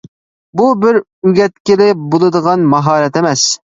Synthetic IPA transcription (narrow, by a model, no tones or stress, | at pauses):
bubɪɾ | yɡʲɛt̪kʲɪlɪbolˠɨd̪əʁɑnmɑɦɑːɾɛt̪emɛs